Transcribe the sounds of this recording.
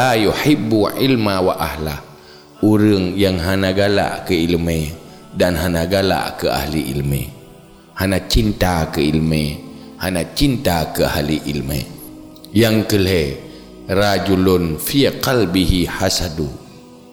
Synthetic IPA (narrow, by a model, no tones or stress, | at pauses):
ajuħibːuʕilmawaʔahla | uɾəŋjaŋɦanaɡala̰ʔkəilme | danɦanaɡala̰ʔkəa̰hliʔḭlmḛ | hanat͡ʃint̪akəilme | hanat͡ʃint̪akəa̰hliʔḭlmḛ | jaŋkəle | rad͡ʒulunfiqalbihiħasadu